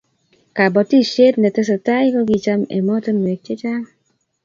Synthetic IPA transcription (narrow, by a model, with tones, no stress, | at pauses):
ka˨bɔ˨ti˦ʃe˦tnɛ˨tɛ˦s̬ɔ˨ta˦jkɔ˦ɡi˦t͡ʃa˦mḛ˨mɔ˦tɛ˦n˨e˨k̚t͡ʃe˦t͡ʃa˦